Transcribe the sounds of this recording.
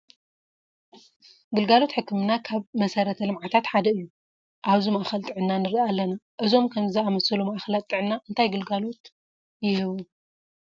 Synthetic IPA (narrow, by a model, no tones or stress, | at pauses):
ɡɨlɡalo̞t̪ħɨkːɨmɨnakʰaβmɐsɐɾɐt̪ʰɐlɨmʕat̪ʰat̪ħad̪ɐɨjːu | ʔaβzimaʔxɐlt̪ʼɨʕɨnːanɨɾiʔalːɐnaʔɨzo̞mkʰɐmzɨamɐsɐlumaʔxɐlat̪ʼːɨʕɨnːaʔɨnt̪ʰajɡɨlɡalo̞t̪ | jɪhɨβu